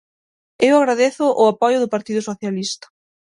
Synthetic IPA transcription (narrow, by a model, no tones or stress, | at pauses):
ewaɣɾaðeθʊʔʊapɔjʊðʊpaɾt̪iðʊsoθjalist̪ɐ̥